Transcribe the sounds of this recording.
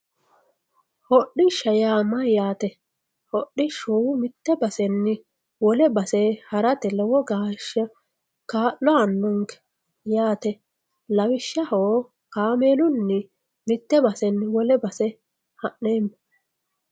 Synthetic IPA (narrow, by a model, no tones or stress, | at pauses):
hɔɗːɪʃːɐjaːmɐjaːt̪ɛ | hɔɗːɪʃumɪt̪ːɛbɐsɛnːɪ | wɔlɛbɐsɛhɐɾɐt̪ɛlɛwɔɡaːʃːɐ | kaːlːɔɐnːʊŋkɛ̥ | jaːt̪ɛ | lɐwɪʃːɐhoː | kaːmeːlʊnːɪ | mɪt̪ːɛbɐsɛnːwɔlɛbɐsɛ | hɐʔːeːmː